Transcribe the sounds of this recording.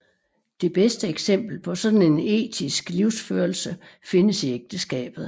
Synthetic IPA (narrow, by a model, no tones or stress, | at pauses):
d̥e̝b̥esd̥əeɡ̥sem̰b̥l̩pʰɒ̽sɒ̽d̥n̩e̝ne̝̰ːd̥ʰisɡ̥liʊ̰sføɐlsəfe̝nəsieɡ̥̚d̥əsɡ̥ɛ̰ːb̥ð̞̩ˠ